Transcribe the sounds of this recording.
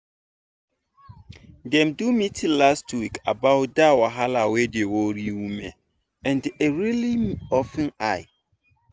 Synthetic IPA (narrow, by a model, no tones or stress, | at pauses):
dɛ̃mdumitʰĩlastwikʰa̰baʊdawaɦalawedewoɾiwumɛ̃n | ɛ̃ndeɾiliɔfɛ̃naɪ